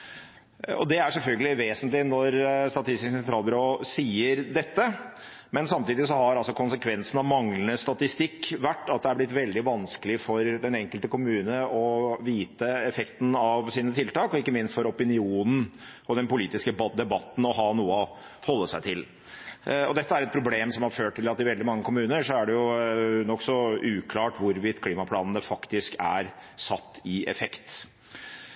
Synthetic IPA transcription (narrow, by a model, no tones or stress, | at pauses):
ɔ̰d̪ɛæʂɛlfœlɡəlɪʋeːsənt̪lɪnɔɾst̪ɑt̪ʰɪst̪ɪsksɛnt̪ɾɑːlbʏɾoːsiːəɾd̪ɛt̪ːə | mɛnsɑmt̪iːd̪ɪs̬ɔhɑɾɑlsɔkʰʊnsəkʰʋɛnsn̩ɑʋmɑŋlənəst̪ɑt̪ɪst̪ɪkːʋæʈːɑt̪̚d̪ɛæɾblɪt̪ʋɛld̪ɪʋɑnskəlɪfɔɾd̪ɛnɛŋkəlt̪əkʊmʉːnəɔʋiːt̪əɛfɛkt̪n̩ɑʋsiːnət̪ʰɪlt̪ɑːkɔɪkːəmɪnst̪fɔɾɔpɪnɪuːnn̩ | ɔd̪ɛnpʊliːt̪ɪskəbd̪ɛbɑt̪ːn̩ɔɦɑːnuːəɔ | hɔlːəsæɪt̪ʰɪl | ɔ̰d̪ɛt̪ːəæɾɛt̪̚pʰɾʊbleːmsɔmhɑɾføːʈʈːɪlɑt̪ːɪʋɛld̪ɪmɑŋːəkʊmʉːnəʂɔæɖɛjʊnɔksɔʉːkʰlɑːʈʋʊɾʋɪt̪ːkʰliːmɑpʰlɑːnn̩əfɑkt̪ɪskæ̰ɾsɑt̪ːɪɛ̰fɛkt̪